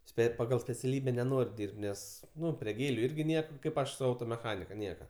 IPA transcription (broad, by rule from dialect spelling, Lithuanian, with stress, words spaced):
ˈsʲpʲeːtʲ pɐˈɡɐlˠ sʲpʲɛt͡sʲɛˈlʲiːbʲɛ nʲɛˈnoːrʲ ˈdʲiːrʲpʲtʲ ˈnʲɛs ˈnʊ pʲrʲiɛ ˈɡʲeːlʲʊ ˈɪrʲɡʲɪ ˈnʲiɛkɐ ˈkɐɪp ˈɐʃ sʊ ˈɐʊtoːmʲɛˌxɑːnʲɪkɐ ˈnʲiɛkɐ